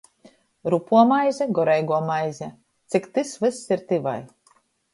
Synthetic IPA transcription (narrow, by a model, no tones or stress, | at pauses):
ɾupuɔmajzʲɛɡɔɾɛjɡuɔmajzʲɛ | t̪sʲikt̪ɨsvɨsːiɾt̪iva̰j